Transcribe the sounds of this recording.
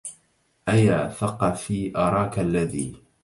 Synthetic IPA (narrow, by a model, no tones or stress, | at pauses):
ʔajaːθɑqɑfiːʔɑɾˤɑːkalːaðḭː